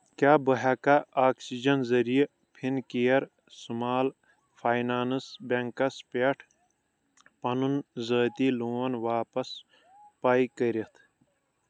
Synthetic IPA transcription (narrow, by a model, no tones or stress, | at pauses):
kjaːbɐɦaːkaaːksid͡ʒɐnzɐɾije | pʰinkijɐɾ | sumaːl | fʰaːjnaːnɨsbeŋkɐspeʈʰ | pɐnunzəːt̪iloːɐnʋaːpɐs | paːikəɾet̪ʰ